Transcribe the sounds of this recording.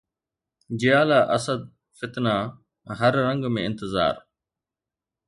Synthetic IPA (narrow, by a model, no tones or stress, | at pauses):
d͡ʒɪjaːlaːʔəsəd̪̚ | fɪt̪naː | ɦəɾːəŋɡmẽːɪnt̪əza̰ːɾ